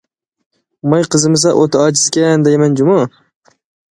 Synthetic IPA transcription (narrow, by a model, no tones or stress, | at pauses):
majqʰɨzɪmɪs̬aʔot̪ʰaɒd͡ʒɪskʲand̪ajmand͡ʒʊmɑ